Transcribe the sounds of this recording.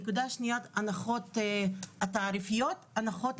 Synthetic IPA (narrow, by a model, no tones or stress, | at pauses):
kud̪aʃnijat̪anaχot̪ | at̪aːɾifijot̪anaχo̞t̪